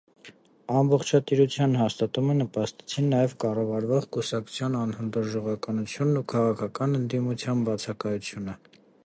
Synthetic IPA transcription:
ɑmbɔχt͡ʃʰɑt̪iɾut͡sʰjɑnɦɑst̪ɑt̪umənəpɑst̪ɛ̥t͡sʰinːɑjɛvkɑrɑvɑɾvɔʁkusɑk̚t͡sʰu̥t͡sʰjɑnɑnhənd̪ɔɾʒɔʁɑkɑnut͡sʰjunːukʰɑʁɑkʰɑkɑnənd̪imut͡sʰjɑnbɑt͡sʰɑkɑjut͡sʰjunə

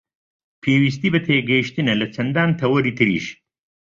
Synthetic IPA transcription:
pʰeːwis̬t̪ibɐt̪ʰeːɡeːʃt̪inɐlɐt͡sɐnd̪aːnt̪ʰɐwɐɾit̪iɾḭʃ

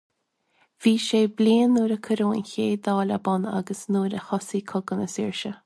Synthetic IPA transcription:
v̥iːʃeːbliːnːuːɾəkʰəɾoːə̰nçeːd̪ɑːla̰bɔna̰ɡəsnuːɾəhɔsiːkʰɔɡənəsiɹʃə

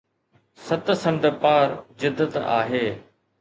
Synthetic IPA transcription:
sɐt̪sɐ̃md̪ʱəpaːɾd͡ʑɪd̪ːət̪a̰ːɦeː

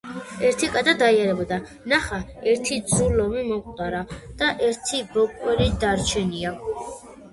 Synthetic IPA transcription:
ɛɾt̪ʰikʼad̪ad̪aiaɾɛbɔd̪a | naχaɛɾt̪ʰid̪zulɔmimɔqʼt̪ʼaɾad̪̥aʔɛɾt̪ʰibɔkʼwɛɾid̪aɾt͡ʃʰɛnia

